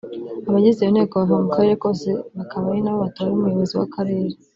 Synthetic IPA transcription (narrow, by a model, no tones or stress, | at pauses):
aβaɟizejon̥e̞ːkoβavamukaɾe̞ɾe̞ko̞se̞βakaβajinaβoβatoaɾumujoβo̞ziwa̰kʰaɾe̞ːɾe